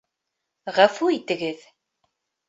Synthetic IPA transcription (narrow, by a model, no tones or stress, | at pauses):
ʁæfuit̪ːɣəð